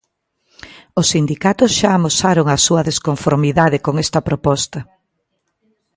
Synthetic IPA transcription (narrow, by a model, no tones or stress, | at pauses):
ʊsːind̪ikat̪ʊsʃaːmosaɾoŋɐsuɐðeskoɱfoɾmiðaðeɪkoŋɛst̪ɐpɾopɔst̪ɐ